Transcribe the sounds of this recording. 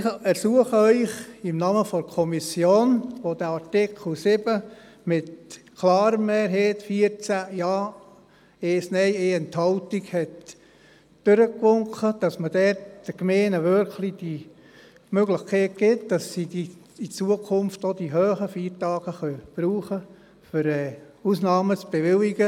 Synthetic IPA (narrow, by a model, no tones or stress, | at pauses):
ɛɾsuəχəœʏχɪmnɑməfɔɾkʰɔmisjoːnʋod̥̪əɑɾtɪkʰl̩sɪbə | mɪtkʰlɑːɾəmːeːɾɦeːtfiəɾt͡sæjɑː | eːsnɛɪeːɛnt̪hɑltiɡhɛt | d̥øɾəkʋʊŋkəd̥ɑsmədɛɾtd̥əɡmeːnəʋʏɾklid̥i | møɡlɪχkʰɛːt̚ɡ̥ɪtd̥ɑsːidi | it͡suəkʰʊmftod̥̪iɦøːχəfiːɾtɑːɡ̥əχœb̥ɾuːχə | fʏɾɛː | usnɑːmət͡sb̥eʋɪliɡə